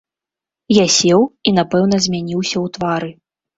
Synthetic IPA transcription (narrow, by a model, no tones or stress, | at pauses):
jasʲɛwinapɛwn̪ɐzʲmʲanʲiwsʲɐwt̪vaɾɨ